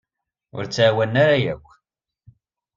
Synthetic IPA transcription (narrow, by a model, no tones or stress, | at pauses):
ʊ̰ɾt͡sːawænːaɾajækʷː